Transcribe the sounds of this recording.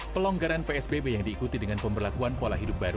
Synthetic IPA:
pəlɔŋɡaɾanpeɛsbebejaŋdiːkut̪idəŋanpəmbərlakuanpolaɦidup̚baɾu

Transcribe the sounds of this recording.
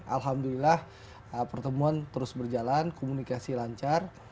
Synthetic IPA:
ʔa̰lɦamdulilah | əpərt̪əmuant̪əɾʊsbərd͡ʒalankomunikasilaɲt͡ʃar

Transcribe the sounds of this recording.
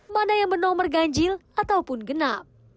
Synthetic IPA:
manajaŋbənɔmərɡaɲd͡ʒɪlat̪awpʊnɡənap̚

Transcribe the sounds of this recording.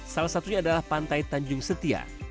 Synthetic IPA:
salasat̪uɲaːdalahpant̪ajt̪aɲd͡ʒʊŋsət̪ia̰

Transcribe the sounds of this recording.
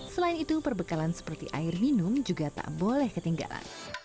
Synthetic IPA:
səlaɪnit̪upərbəkalansə̥pərt̪ḭʔa̰ɪrminʊmd͡ʒuɡat̪a̰ʔbolɛhkət̪iŋɡa̰la̰n

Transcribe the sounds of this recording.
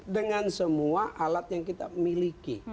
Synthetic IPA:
dəŋansəmuaʔalat̪̚jaŋkit̪amiliki

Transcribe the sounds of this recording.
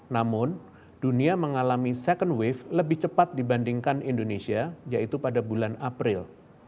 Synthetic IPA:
namʊn | d̥uniaməŋalamisɛkəndwɪfləbɪht͡ʃəpat̪̚dibandiŋkanindonesiajaʔit̪upadabulanapɾɪl

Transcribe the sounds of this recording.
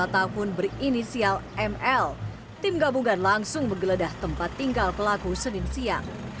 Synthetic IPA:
at̪aɦʊnbərinisialɛmɛl | t̪ɪmɡabuŋanlaŋsʊŋməŋɡələdaht̪əmpat̪ːiŋɡalkəlaɡusənɪnsiaŋ

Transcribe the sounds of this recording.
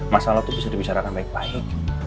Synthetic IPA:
masalat̪ubisadibit͡ʃaɾakanbaɪk̚baɪk̚

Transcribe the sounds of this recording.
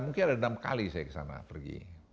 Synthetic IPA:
muŋkɪnadanamkalisajakə̥sa̰na̰pərɡḭ

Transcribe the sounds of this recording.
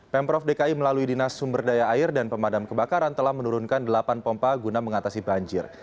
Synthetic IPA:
pɛmpɾɔfdekaiməlaluidinasːumbərdajaːɪrdanpəmadamkəbakaɾant̪əlahmənuɾunkandəlapanpɔmpaɡunaməŋat̪asibaɲd͡ʒɪr

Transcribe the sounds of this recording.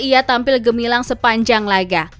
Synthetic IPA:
ijat̪ampɪlɡəmilaŋsəpaɲd͡ʒaŋlaɡa

